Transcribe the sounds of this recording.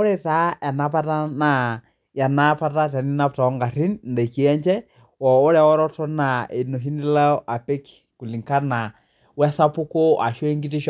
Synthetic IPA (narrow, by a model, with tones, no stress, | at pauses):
ɔ˦ɾɛ˦ta˦ja˨na˨pa˦ta˦na˨ | ja˨na˦pa˦ta˦tɛ˨ni˦na˦pta˨ɔ˦ŋɡa˨ri˦nndɛ˨ki˦ɛ˦ɲt͡ʃɛ˦ | wɔ˨ɔ˦ɾɛ˨wɔ˦ɾɔ˦tɔ˦na˨e˨no˨ɦi˦ni˦la˦ɔ˦ʔa˨pe˦ki̥ | ku˨li˨ŋka˦na˨ | wɛ˦sa˦pu˦ko˦a˨ʃwe˦ŋɡi˦ti˦ʃ